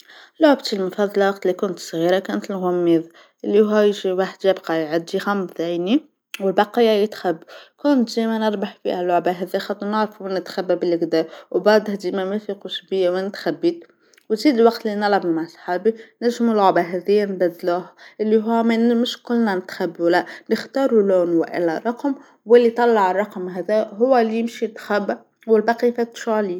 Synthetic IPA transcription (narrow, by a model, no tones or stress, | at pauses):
lʊʕbt̪əlmʊfɑðˤːɑlɑwɑq̚t̪likʊnət̪sˤɣiɾˤakænt̪əlɣʊmːiðˤ | ʔəlːihuæjʒiwaħd̪jæbqɑjʕad̪ːixæmθæjni | wəlbɑqijːajət̪xæbːkʊnt̪d̪imænəɾˤbaħfḭhælːʊʕbaɦæðijxɑt̪ˤːunəʕɾfumænːət̪xæbːæbəlʔəɡd̪æwbɑʕd̪ˤhd̪imæmæfiquʃbəjːawænət̪xæbːid̪̚ | wnziːd̪lwɑqt̪lːinɑlʕɑbmaʕsˤħɑːbinæʒmulʊʕbaɦæðijːænbæd̪luːhʔɪlːiɦʊwːmæmɪʃkʊlːnænɪt̪xæbːwlæʔnəxt̪ɑːɾˤuluːnwɪ̰ʔɪ̰lːæɾˤɑqm | wɪlːit̪ˤɑlːɑʕərˤːɑqmɦæðæɦʊwːælːijɪmʃit̪ːxæbːa | wɪlbɑqifæt̪ʃʕli